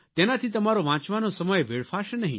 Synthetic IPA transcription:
t̪enat̪ʰit̪̬əmaɾoʋãt͡ʃʋanosəməjeʋeɽfʰaʃnəɦḭ̃

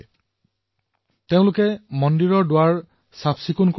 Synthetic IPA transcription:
teʊ̃lʊkɛmɔndiɹɔɹdʊwaɹ | sapʰsikunk

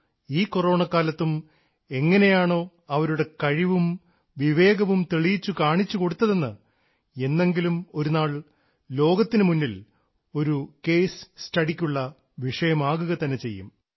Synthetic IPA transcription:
iːkoro̞ːɳɐkːaːlɐt̪ːum | e̞ŋːɐne̞jaːɳo̞ː | ɐʋɐɾuɽe̞kɐɻiʋum | ʋiʋe̞ːɡɐʋumt̪eɭijit͡ɕːukaːɳit͡ɕːuko̞ɽut̪ːɐðe̞nːɨ | e̞nːe̞ŋɡilumo̞ɾunaːɭ | lo̞ːɡɐt̪ːinɨmunːil | o̞ɾuke̞ːsstɐɽikʲːuɭːɐ | ʋiʂɐjɐmaːɣuɣɐt̪ɐnːe̞t͡ɕe̞jːṵm

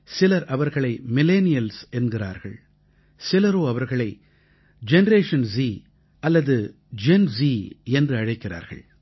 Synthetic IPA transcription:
sɪlɐɾʔɐʋɐɾɣɐɭɐɪmɪleːnɪjɐlsɛnɡɪra̰ːɾɣɐ̰ɭ | sɪlɐɾoːɐʋɐɾɣɐɭɐɪ | d͡ʒɛnɐɾeːʂɐnsiː | ɐlːɐðɯ | d͡ʒɛnsiːɛndrɯɐɻɐɪkːɪra̰ːɾɣɐ̰ɭ

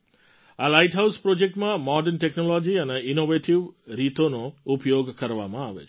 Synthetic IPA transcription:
alajʈɦawspɾod͡ʒek̚ʈmãmɔɖəɾnʈeknɔlɔd͡ʒiəneinoʋeʈiʋɾit̪onoupjoɡkəɾʋa̰mãaʋḛt͡ʃʰ

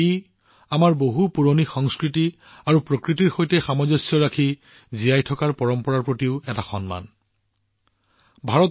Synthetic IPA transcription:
i | amaɹboɦupuɹonixɔŋskɹiti | aɹupɹokɹitiɹxojtɛxamɔzɔsjɔɹakʰi | zijajtʰɔkaɹpɔɹɔmpɔɹaɹpɹotiʊɛtaxɔ̰nma̰n | bʱaɹɔt

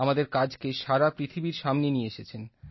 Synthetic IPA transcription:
amad̪eɾkad͡ʑkeʃaɾapɾit̪ʰibiɾʃamnenieeʃet͡ɕʰen

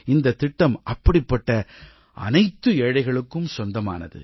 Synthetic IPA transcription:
ɪnd̪ɐt̪ːɪʈːɐmʔɐpːɐɽɪpːɐʈːɐ | ʔɐ̰nɐɪt̪ːɯɛːɻɐɪɣɐɭɯkːɯmsɔnd̪ɐma̰ːnɐ̰ðɯ̰

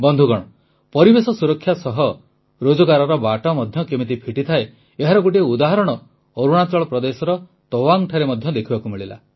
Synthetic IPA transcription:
bɔnd̪ʱuɡɔɽ̃ɔ | pɔɾibesɔsuɾɔkʰːjasɔɦɔ | ɾod͡ʒɔɡaɾɔɾɔbaʈɔmɔd̪ʱjɔkemit̪̬ipʰiʈit̪ʰae | eɦaɾɔɡuʈ̬iud̪aɦɔɾɔɽ̃ɔ | oɾuɽ̃at͡ʃɔɭɔpɾɔd̪esɔɾɔ | t̪ɔwaŋʈʰaɾemɔd̪ʱjɔd̪ekʰibakumiɭila̰

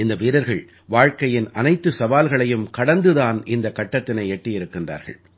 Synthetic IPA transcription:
ɪnd̪ɐʋiːɾɐɾɣɐɭ | ʋaːɻkɐjɪnɐnɐɪt̪ːɯsɐʋaːlɣɐɭɐjɯmkɐɽɐnd̪ɯðaːnʔɪnd̪ɐkːɐʈːɐt̪ːɪnɐɪɛʈːɪjɪɾɯkːɪndra̰ːɾɣɐ̰ɭ

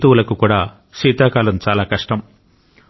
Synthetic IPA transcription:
t̪uwulɐkukuːɽaː | ʃiːt̪aːkaːlɐmt͡ʃaːlaːkɐʂʈɐm

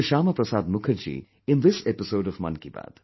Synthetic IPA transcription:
ʃaːməpɾəsaːd̪mʊkʰəɾd͡ʒḭː | ɪ̃nðɪsɛpɪsoʊɖɔvmɐ̰̃nkiba̰d̪̥

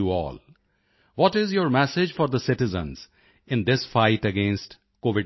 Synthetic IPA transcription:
uɔ̰ːl | ʋɔʈɪzjəːɾmɛsɪd͡ʒfɔɾd̪əsɪʈɪzə̰̃nz̥ | ɪ̃nd̪ɪsfaɪʈəɡẽːnsʈ | koːʋɪ

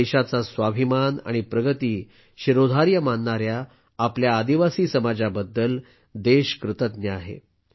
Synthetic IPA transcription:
eɕat͡sasʋabʱimana̰ɽ̃ipɾəɡət̪iː | ɕiɾod̪ʱaɾjəmanːaɾjaː | pljaːd̪iʋasiːsəmad͡zabəd̪ːəl | d̪eɕkɾɨt̪ət̪̚njəaɦḛ

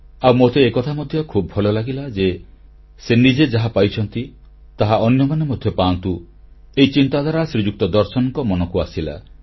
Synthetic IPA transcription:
awmot̪eːkɔt̪ʰamɔd̪ʱjɔkʰubɔbʱɔlɔlaɡilad͡ʒe | senid͡ʒed͡ʒaɦapajt͡ʃʰɔnt̪i | t̪aɦaʔɔnjɔŋɡɔnemɔd̪ʱjɔpaɔnt̪u | eit͡ʃint̪ad̪ʱaɾasɾid͡ʒuk̚t̪ɔd̪ɔɾsɔnɔŋkɔmɔnɔkuasila̰

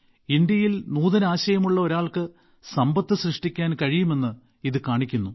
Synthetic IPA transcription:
ind̪jɐjilnuːðɐnaːɕɐjɐmuɭːɐo̞ɾaːɭkɨ | sɐmbɐt̪ːɨɕrɨʂʈikʲːaːnkɐɻijume̞nːɨ | iðɨkaːɳikʲːunːu

